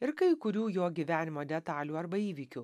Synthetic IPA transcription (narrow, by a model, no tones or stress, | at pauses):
ɪɾkɐɪkʊɾʲuːjoːɡʲiʋʲæːnʲɪmoːd̪ʲɛt̪ɑːlʲuːɐɾbɐiːʋʲikʲu